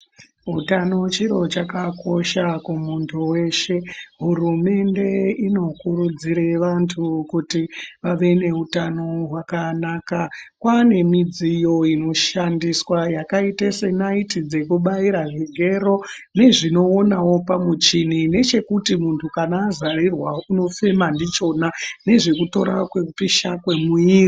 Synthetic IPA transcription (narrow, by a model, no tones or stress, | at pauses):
ɦutanot͡ʃiɾo̞t͡ʃakako̞ʃakumuntʰuwe̞ʃe̞ɦurume̞nde̞ino̞kuɾud͡ziɾeʋantʰukutiʋaʋe̞ne̞ɦutanoɦwakanaːkakwane̞mid͡zijo̞ino̞ʃandiswajakaitesenaitid͡ze̞kuɓaiɾaʐiɡʱe̞ɾo̞ | ne̞ʐino̞ːnawopamut͡ʃinine̞t͡ʃe̞kutimuntʰukanaːzarirwauno̞fe̞mandit͡ʃo̞nane̞ʐe̞kuto̞̰ɾakweupiʃakwe̞muiːri